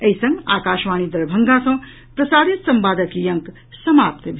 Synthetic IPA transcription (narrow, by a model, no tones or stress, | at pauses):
əisə̃ŋɡa̰ːkaːʃmaːñid̪ɐɾbʱəŋɡasɐ̃w̃ | pɾɐsaːd̪it̪sɐmpaːd̪əkjɐŋk | sɐmapt̪bʱ